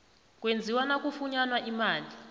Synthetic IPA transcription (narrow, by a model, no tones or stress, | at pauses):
k̬ʼwend͡zʱiwanak̬ufuɲanwaʔimaːnd͡ɮi